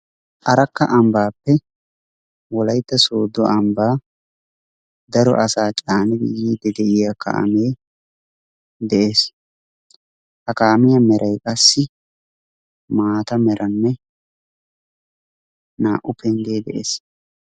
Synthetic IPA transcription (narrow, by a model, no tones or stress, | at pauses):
ʔɐɾɐkːɐʔɐmbaːpːɛ | wɔlɐjt̪ːɐsoːd̪ɔʔɐmbaː | d̪ɐɾɔ̰ʔɐsaːt͡ʃʼaːnɪd̪ɪ̰jiːd̪ɛd̪ɛʔɪjakʰɐ̰ʔɐ̰meː | d̪ɛʔe̞ːs | hɐkaːmɪjɐmɛɾʔɐjkʼɐsːɪ | maːt̪ɐmɛɾʔɐnːɛ | naːʔʊpɛnɡ̪eːd̪ɛʔḛːs